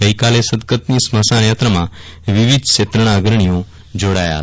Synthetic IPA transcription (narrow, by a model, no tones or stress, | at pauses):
əikalesəd̪kət̪nisməsanjat̪ɾəmãʋiʋid̪ʱʃet̪ɾəɽ̃aɡɾəɳ̃ijõ | d͡ʒoɽaja̰ɦət̪